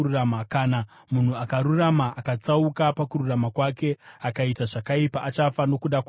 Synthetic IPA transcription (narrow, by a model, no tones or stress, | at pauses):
uramakaːna | mun̤uakaɾuramaʔakat͡saukapakuɾuramakwake̞akaitaʐakaipaʔat͡ʃafano̞kuɗak